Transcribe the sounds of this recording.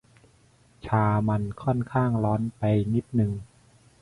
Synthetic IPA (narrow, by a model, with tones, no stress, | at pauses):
t͡ɕʰaː˧ma˧nkʰɔ˥˩nkʰaː˥˩ŋlɔː˦˥npa˧jŋi˦˥t̪̚nɯ˧ŋ